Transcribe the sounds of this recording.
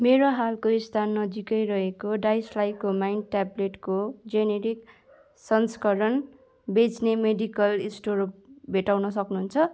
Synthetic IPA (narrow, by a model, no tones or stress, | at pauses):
meɾoɦalkoist̪ʰanːʌd͡zikʌjɾʌɦekoɖajslajkomajnʈableʈkod͡zeneɾik | sʌnskʌɾʌn | bet͡snemeɖikʌlisʈoɾop̚bʱeʈawnʌs̬ʌknuɦunt͡sʰʌ